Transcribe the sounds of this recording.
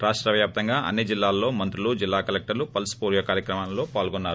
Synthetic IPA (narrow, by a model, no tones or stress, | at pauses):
ɾaːʂʈɾɐʋjaːp̚t̪ɐŋɡaːʔɐ̰nːid͡ʒilːaːlːo̞ːmɐnt̪ɾulud͡ʒilːaːkɐlɛk̚ʈɐɾlupɐlsu̥puːɾjɐkaːɾjɐkɾɐmaːnlo̞ːpaːlɡonːaːɾu